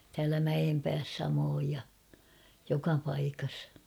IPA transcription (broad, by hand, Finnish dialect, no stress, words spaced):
tæːlæ mæj̆empæːs sɑmoːj jɑ jokɑ pɑikɑs